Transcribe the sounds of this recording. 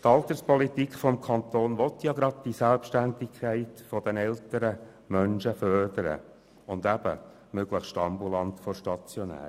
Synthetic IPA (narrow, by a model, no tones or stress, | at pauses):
t̪ɑlt̪əɾspɔlit̪ikχfɔmkʰɑnt̪oːnʋɔt̪jɑɡɾɑd̪̥̚d̥isælpʃtændɪkʰæɪtfɔd̥ənɛlt̪əɾə | mœnʃəfœrdəɾə̰ | ʊnd̪æb̥ə̰ | møɡləχsʃtɑmbulɑnt̪fɔɾʃtɑt͡sjɔnæ̰ː